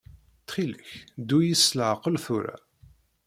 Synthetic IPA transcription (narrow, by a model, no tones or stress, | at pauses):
t̪χiləççd̪ujisləʕqəlθuɾa̰